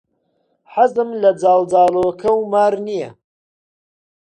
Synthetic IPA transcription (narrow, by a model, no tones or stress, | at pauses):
ħazɨmlɐd͡zaːld͡zaːloːkʰɐwmaːɾnijɐ̰